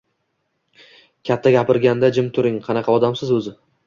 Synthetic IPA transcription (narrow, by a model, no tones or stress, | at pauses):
kʲʰat̪ʰːaɡʲapɪɾɡʲand̪ad͡ʒɪmt̪ʰʊɾɪŋqʰɑnɑqʰɑɒd̪amsɪzɵzɪ